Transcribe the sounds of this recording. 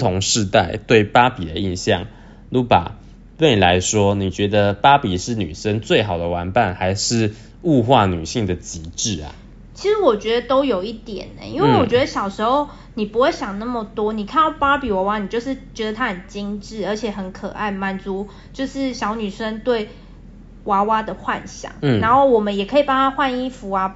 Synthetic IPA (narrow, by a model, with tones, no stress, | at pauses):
t̪ʰʊ˧˥ŋʂɻ̩˥˧t̪a˥˩ɪt̪we˥˩ɪpa˦pi˨d̪ə˦i˥˧nɕjɑ̰˥˨ŋ | lu˧˥pa̰˨˩ | t̪we˥˩ɪ˨la˧˦ɪʂwɔ˦ni˨˩t͡ɕɥɛ˧˥d̪ə˧pa˦˥pi˨˩ʂɻ̩˥˩ny̰˨˩ʂə˦nt͡swe˥˩ɪxɑ˨˩ʊd̪ə˦wa˧˥npa˨˩nxa˧˥ɪʂɻ̩˥˧ | u˥˧xwa˥˩ny̰˨˩ɕi˥˩ŋd̪ə˩t͡ɕi˧˥ʈ͡ʂɻ̩˥˩a̰˨˩ | t͡ɕʰi˧˥ʂɻ̩˧˥wɔ˨˩t͡ɕɥɛ˧˥d̪ə˧t̪o˥ʊjo˨˩ʊi˥˩t̪jɛ̰˨˩nə̰˨˦i˥nwe˥˩ɪwɔ˨˩t͡ɕɥɛ˧˥d̪ə˧ɕjɑ˨˩ʊʂɻ̩˧˥xo˥˧ʊ | ni˨˩pu˧˥xwe˥˩ɪɕjɑ˨˩ŋna˥˩mə˨t̪wɔ˥ni˨˩kʰa˥˧nɑ˥˩ʊpa˥pi˨˩wa˧˥wa˦ni˨˩t͡ɕjo˥˧ʊʂ̬ɻ̩˥˩t͡ɕɥɛ˧˥d̪ə˨t̪ʰa˦hə˨˩nt͡ɕi˦ŋʈ͡ʂɻ̩˥˩ə˞˧˥t͡ɕʰjɛ˨˩xə˧˦nkʰɤ˨˩ʔa̰˥˩ɪma˨˩nt͡su˧˥ | t͡ɕjo˥˧ʊʂɻ̩˥˩ɕjɑ˧˥ʊny˨˩ʂə˥nt̪we˥˩ɪ | wa˧˥wa˥d̪ə˨xwa̰˥˩nɕjɑ̰˨˩˦ŋ̩˥˩na˧˥nxo˥˩ʊwɔ˨˩mə˦njɛ˨˩kʰɤ˧˥i˨˩pa˥ŋt̪ʰa˦˥xwa˥˧ni˥fu˧˥a˧